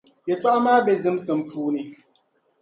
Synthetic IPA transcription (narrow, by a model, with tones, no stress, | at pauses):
jɛ˨t͡ʃwa˦ʔmaː˦bɛ˨zɨ˦msɨ˨m̩˨pʰuː˦ni˨